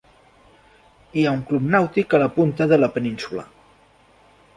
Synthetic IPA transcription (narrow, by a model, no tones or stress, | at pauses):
iauŋklupnawt̪ikaləpunt̪əðələpəninsulə̰